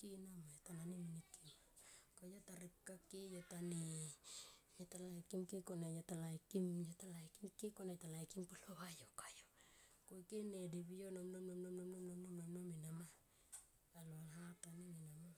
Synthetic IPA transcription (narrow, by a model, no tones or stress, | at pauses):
kinamajatananiminikimakajotaɾikːakijotani | jotalajkimkikonejotalajkimjotalajkimkekonejtalajkimpolohajokḁjo | kojkene̞deβijonomnomnomnonomnomnomnomnomnominama | aloalɦataniminama